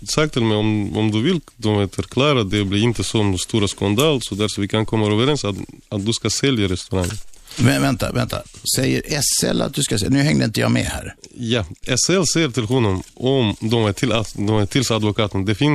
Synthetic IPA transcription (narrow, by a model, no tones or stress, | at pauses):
sak̚t̪ʰɪlmɛjɔmɔ̰md̪ʉvɪld̪ɔmɛfœɾkʰlɑːɾad̪ɛbliɾɪnt̪əsɔmst̪uːɾaskand̪ɑːlsɔd̪æɾfɔɾvɪkʰankʰɔmːaøːvəɾɛnsaat̪̚d̪ʉskasɛljaɾɛst̪ʉɾaŋənvɛvɛnt̪a̰vɛ̰nt̪ʰa̰sɛjːə̰ɾʔɛsɛ̰lːa̰t̪̚d̪ʉskasɛnʉ̟hɛŋd̪əɪnt̪əjɑ̰ːmɛ̰hæːɾjɑɛsɛlsɛjːəʈ̪ɪlɦʊnːɔmʔɔmd̪ɔmæʈ̪ʰɪlad̪ɔmæʈʰɪlsad̪vɔkʰɑːt̪ənd̪ɛfɪn